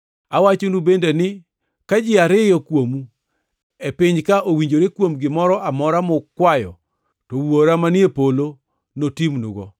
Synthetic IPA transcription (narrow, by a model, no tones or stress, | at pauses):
awat͡ʃonubendenɪ | kad͡ʒɪaɾɪjɔkwomu | epɪɲkaʔowiɲd͡ʒoɾekwomɡɪmɔɾɔʔamɔɾamʊkːwajɔ̰ | towoɾamanjepolo | notimnṵɡɔ